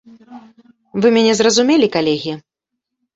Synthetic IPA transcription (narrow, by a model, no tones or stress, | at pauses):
vɨmʲanʲɛzrɐzumʲɛlʲikalʲɛɣʲi